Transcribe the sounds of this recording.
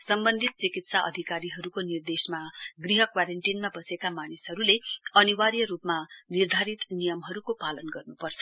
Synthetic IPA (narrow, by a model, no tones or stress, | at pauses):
sʌmbʌnd̪ʱit̪̚t͡sikit̪saʔʌ̰d̪ʱikaɾiɦʌɾukonird̪esmaɡriɦʌkwaɾeɳʈinmabʌsekamanisɦʌɾuleʌniwaɾjʌɾupmanird̪ʱaɾit̪nijʌmɦʌɾukopalʌnɡʌrnupʌrt͡sʰʌ̥